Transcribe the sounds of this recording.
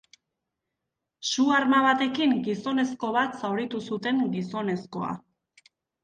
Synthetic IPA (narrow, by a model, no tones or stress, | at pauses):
suaɾmaβ̞at̪e̞kiŋɡiso̞ne̞sko̞β̞at̪sawɾit̪usut̪e̞ŋɡiso̞ne̞sko̞a̰